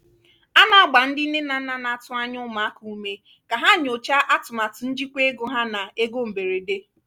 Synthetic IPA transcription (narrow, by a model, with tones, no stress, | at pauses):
a˦na˨a˦ɡ͡ba˨n̩˦dɪ˦ne˦na˨˦na˨na˨tʊ˦a˦ɲʊ˦ma˨˦ku˨u˦me˦ | ka˨ɦa˦˨ɲ˨o˨t͡ʃa˦ʔa˦tʊ˨ma˨tʊ˨n̩˦d͡ʒi˦kʷe˦ɡo˨ɦa˦na˨e˦ɡo˦m̩˨be˨ɾe˨de˦